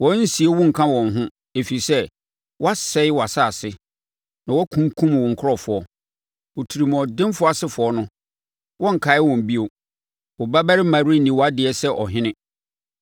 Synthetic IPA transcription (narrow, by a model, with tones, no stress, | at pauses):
wɔ̃˨˦n̩˦si˨e˦wʊ̃˦ŋ̩˨kʰã˦wɔ̃˨nɦʊ̃˦ | e˨fi˨sɛ˦ | wɔ˦a˦sɛ˦ɪ˦wɔ˨a˨saː˦˨sɪ˦ | nã˨wɔ˦kʰũ˦ŋ˦kʰũ˦m˨wɔ̃˨ŋ̩˨kʰʊ˦ɔ˨fʊ˨ɔ˦ | wo˨tʰi˨ɾi˨m˨ɔ˨dɪ̃˦m˦fʊ˦a˨sɪ˦fʊ˨ɔ˦nʊ̃˦ | wɔ̃˦ŋ̩˨kʰa˨˦ɪ˦wɔ̃˨m̩˨bi˦o˨ | wɔ˨ba˦bæ˦ɾɪ˦mã˨ɾi˦nĩ˨wɔ˨a˦dɪ˨ɛ˦sɛ˦ʔɔ˨ɦɪ̃˦nɪ̃˦